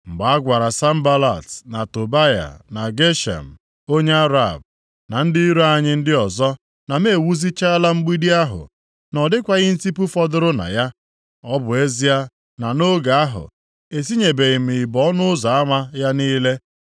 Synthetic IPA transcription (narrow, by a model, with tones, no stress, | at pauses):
ŋ͡m̩˨ɡ͡ba˨a˦ɡʷa˨ɾa˨sa˦m̩˦ba˦la˨tna˨to˨ba˦ja̰˨na˨ɡe˦ʃa̰˨m̩˨ | o˦ɲe˦a˦ɾa˨b̚ | na˨n̩˦dɪ˦i˦ɾu˦a˨ɲɪ˦n̩˦dɪ˦ɔ˨zɔ˦ | na˨me˦˨wu˦zi˦t͡ʃa˦la˦ŋ͡m̩˦ɡ͡bi˦di˦a˦ɦʊ̰˨ | nɔ˨dɪ˦kʷa˨ɣɪ˦n̩˦ti˦pu˦fɔ˦dʊ˦ɾʊ˦na̰˨ja˦ | ɔ˦bʊ˨e˦zi˦a˦ | na˨no˦ɡa˨a˦ɦʊ̰˨ | e˨si˦ɲe˨be˨ɣɪ˨m̩˨i˨bɔ˦nʊ˦ʊ˦za˨a˦ma˦ja˦niː˦le˦